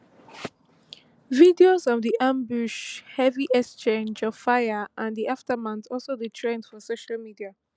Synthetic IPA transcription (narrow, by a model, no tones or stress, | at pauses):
vidiozɔvðiʔãmbuʃhɛviʔɛkst͡ʃẽnd͡ʒɔv̥faɪəʔãndiʔaftəmãntɔlˠsoditʰɹẽndfɔsoʃalmidia